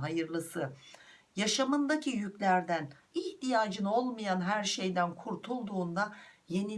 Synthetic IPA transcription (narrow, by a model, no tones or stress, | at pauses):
ɦajɯɾlˠɯsɯjaʃamɯnd̪acʰijycʲlʲæɾd̪æn | içt̪ijaːd͡ʒɯno̞lˠmajanɦæɾʃe̞jd̪ænkʰuɾt̪ʰulˠd̪uːnd̪aje̞ni